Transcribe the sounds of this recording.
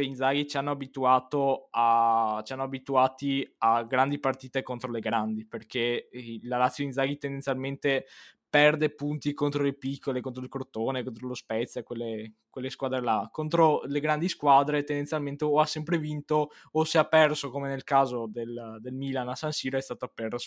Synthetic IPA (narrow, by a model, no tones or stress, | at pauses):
eind̪zaɡit͡ʃanːoabit̪uaːt̪oat͡ʃianːoabit̪uaːt̪iaɡɾand̪ipart̪iːt̪ekont̪ɾoleɡɾand̪iperkelalat̪sːjoinzaːɡit̪end̪enjalment̪epɛrd̪epunt̪ikont̪ɾolepikʰːolekont̪ɾoilkoɾt̪oːnekont̪ɾolospɛt̪sːjakwelːekwelːeskwaːd̪ɾelakont̪ɾoleɡɾand̪iskwaːd̪ɾet̪end̪enʲjalment̪eoasɛmpɾevint̪oː | seapːɛrsokomenelkaːzod̪eld̪elmilanasansiːɾoɛst̪aːt̪oapːɛrso